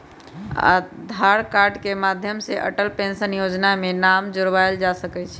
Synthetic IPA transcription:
a̰d̪ʱaɾkaɾɖkemad̪ʱjəmseʔə̰ʈəlpẽnsənjod͡ʒnamenamd͡ʒoɾʋajld͡ʒasəkɛt͡ʃʰ

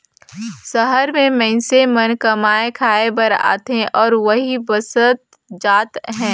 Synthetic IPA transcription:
sɐɦəɾmẽmɛ̃ɪsemɐnkɐmaːekʰaːebɐɾa̰ːt̪ɦẽʔɔːɾʋɐɦibɐsət̪̚ | d͡ʒaːt̪ɦɛ̃ː

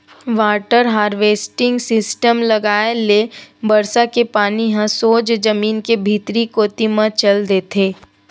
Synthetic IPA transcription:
ʋaːʈəɾɦaːɾʋeːsʈɪ̃ŋɡsɪsʈəmlɐɡaːelebɐɾsakepaːniɦãsoːd͡ʒd͡ʒɐmiːnkebʱiːt̪ɾikoːt̪imãt͡ʃɐld̪eːt̪ʰeː

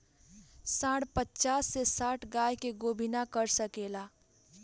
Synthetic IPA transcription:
sãːɽpətːt͡ʃaːsːesaːʈʰɡaːjkeɡoːbʱinakəɾsəkeːla

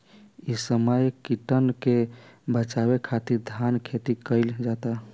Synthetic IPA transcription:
isəməjkiʈənkebət͡ʃabekʰat̪iɾd̪ʱankʰet̪ikəɪld͡ʒat̪a

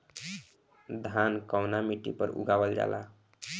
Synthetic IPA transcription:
d̪ʱankawnamiʈḭpəɾṵɡabəld͡ʒa̰lʔa

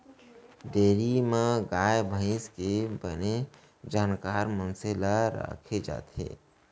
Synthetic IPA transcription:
ɖeːɾimẽɡaːjbʱə̃ɪ̃skebəne | d͡ʒaːnkaːɾmənselaɾa̰kʰed͡ʒa̰ːt̪ɦḛ

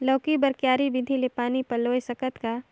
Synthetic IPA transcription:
lɐːkibɐɾkjaːɾiʋɪd̪ʱilepaːnipɐlːoːjsɐkət̪ka

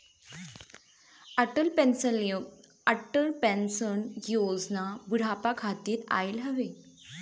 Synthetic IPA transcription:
əʈəlpensəljo | əʈəlpɛnsənjjod͡znabuɽ̤apakʰat̪iːt̪a̰jlɦəʋe

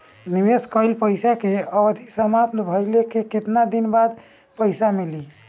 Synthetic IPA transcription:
nibeskəjlpəjsakeəbəd̪ʱisəmapnbʱəjlekeket̪nad̪inbad̪ | pəɪsamili

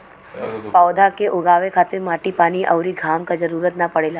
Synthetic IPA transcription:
pawd̪ʱakeʔoɡaʋekʰat̪emaʈipaniʔəʋɾiɡʱamkad͡ʒəɾuɾət̪napəɽela

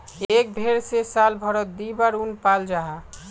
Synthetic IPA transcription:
ek̚bʱeɾsesalbʱɔɾɔt̪̚d̪ibaɾunpald͡ʒaɦa

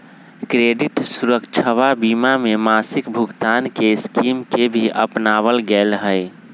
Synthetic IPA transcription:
kɾeɖiʈsuɾəkt͡ʃʰəʋabimamemasɪkbʱuɡt̪ankeskimkebʱiʔə̰pnaʋəlɡelɦəɪ

